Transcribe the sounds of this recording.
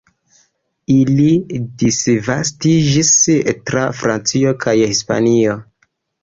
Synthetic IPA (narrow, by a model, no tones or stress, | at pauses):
ilidisvastid͡ʒistɾafɾant͡sio̞kʰajhispa̰nio̞